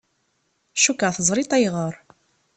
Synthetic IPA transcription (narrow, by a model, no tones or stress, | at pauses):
ʃukːəʁθəzˤɾˤit̪ˤæjʁəɾˤ